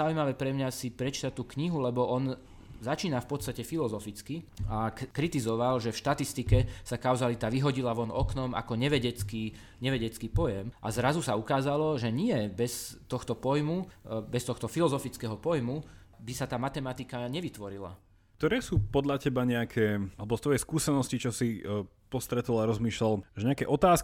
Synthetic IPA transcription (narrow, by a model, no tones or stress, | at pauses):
aujmaʋɛːpɾɛmɲasipɾɛt͡ʃi̥t̪at̪uːkɲiɦulɛbɔʔɔn | zat͡ʃiːnafpɔt̪t͡st̪acɛfilɔzɔfit͡skiakɾit̪izɔʋalʒɛfʃt̪at̪ist̪ikɛsakaʊzalit̪aʋiɦɔɟilaʋɔnɔknɔma̰kɔɲɛʋɛɟɛt͡ski | ɲɛʋɛɟɛt͡skipɔjɛmʔa̰zɾazusaukaːzalɔʒɛɲɪɛbɛst̪ɔxt̪ɔpɔjmubɛst̪ɔxt̪ɔfilɔzɔfit͡skɛɦɔpɔjmubisat̪aːmat̪ɛmat̪ikaɲɛʋit̪ʋɔɾila̰ | k̚t̪ɔɾɛːsuːpɔd̪ʎacɛbaɲɛakʰɛːalɛbɔst̪ʋɔjɛjskuːsɛnɔscit͡ʃɔsi | pɔst̪ɾɛt̪ɔlaɾɔzmiːʃlalʒɛɲɛakɛʔɔt̪aːsk